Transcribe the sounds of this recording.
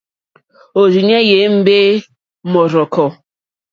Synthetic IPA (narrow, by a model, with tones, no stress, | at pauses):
o˨zi˨ɲe˦je˨˦m̩˦be˦ | mɔ˨ɾɔ˨kɔ˨